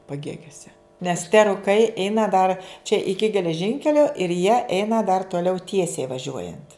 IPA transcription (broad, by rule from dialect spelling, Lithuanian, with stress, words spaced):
pɐˈɡʲeːɡʲoːsʲɛ nʲɛs tʲɛ rʊˈkɐɪ ˈɛɪnɐ dɐr t͡ʃʲɛ ˈɪkʲɪ ɡʲɛlʲɛˈʒʲɪŋʲkʲɛlʲoː ɪr jiɛ ˈɛɪnɐ dɐr toːˈlʲɛʊ ˈtʲiɛsʲɛɪ ʋɐˈʒʲuɔjɛnt